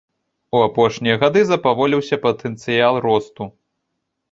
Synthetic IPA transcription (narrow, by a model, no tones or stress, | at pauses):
uapɔʂnʲijɐɣad̪ɨzɐpavɔlʲiwsʲɐpɐt̪ʰɛnt̪sɨjalˠrɔst̪u